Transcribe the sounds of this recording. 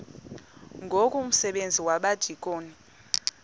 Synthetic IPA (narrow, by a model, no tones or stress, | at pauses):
ŋɡʱokʼuum̩sɛɓend͡zʱiwaɓad̥ʱikʼoːni